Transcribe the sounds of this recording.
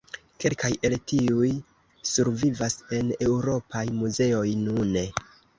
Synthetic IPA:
ke̞lkaje̞ltiuj | suɾvivase̞ne̞wɾo̞pajmuze̞o̞jnune

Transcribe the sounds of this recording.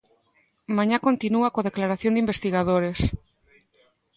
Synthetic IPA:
mãɲakont̪inuakoðeklaɾaθjond̪imbest̪iɣaðoɾes

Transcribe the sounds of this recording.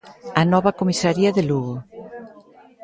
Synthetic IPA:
anɔβakomisaɾiaðeluɣo

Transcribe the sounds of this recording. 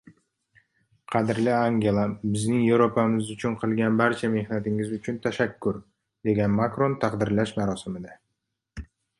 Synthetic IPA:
qʰɑd̪ɪɾlɪaŋɡʲe̞lˠabɪznɪŋjevɾopʰamɪzʊt͡ʃʰʊnqʰɨlˠɡʲanbaɾt͡ʃʰame̞hnat̪ɪŋɪzʊt͡ʃʰʊnt̪ʰaʃakʰːʊɾ | d̪̥e̞ɡʲanmakɾo̞nt̪ʰaqd̪ɪɾlaʃmaɾɒsɪmɪd̪a

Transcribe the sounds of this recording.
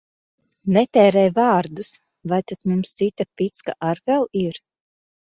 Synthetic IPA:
nɛt̪ɛːɾɛjvɑːɾd̪us | vajt̪at̪mumst̪sit̪apʲit̪ska̰ʔaɾvɛlˠiɾ

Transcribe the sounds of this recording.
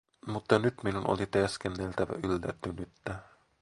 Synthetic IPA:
mut̪ːɑnyt̪minuno̰lit̪eskenːe̞lt̪æʋæ̰ʔylːæ̰t̪ːynyt̪ːæ

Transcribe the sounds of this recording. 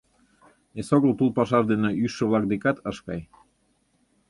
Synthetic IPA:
esoɣəlt̪ulˠpɑʃɑʒd̪eneyʃːə̆βlɑk̚d̪ekɑt̪əʃkɑj

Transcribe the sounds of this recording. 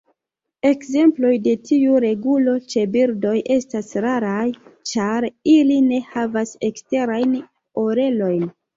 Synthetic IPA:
e̞kze̞mplo̞jde̞tʰiuɾe̞ɡulo̞t͡ʃe̞biɾdo̞jʔe̞stasɾaɾajt͡ʃaɾiline̞havase̞kste̞ɾajn | o̞ɾe̞lo̞jn

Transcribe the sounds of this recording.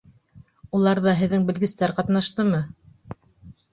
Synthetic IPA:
ulˠɑɾðɑɦɘ̆ðːɘŋbɘ̆lɡɘ̆st̪æɾqɑt̪nɑʃt̪ɤmɤ

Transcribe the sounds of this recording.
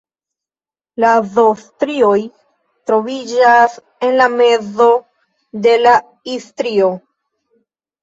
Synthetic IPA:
lazostɾio̞j | tɾo̞vid͡ʒas | e̞nlame̞zo̞ | de̞la | istɾio̞

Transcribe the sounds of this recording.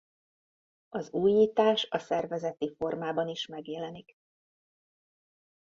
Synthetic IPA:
ɒzuːjːiːt̪aːʃɒsɛrvɛzɛt̪ifo̞rmaːbɒniʃmɛɡjɛlɛnik

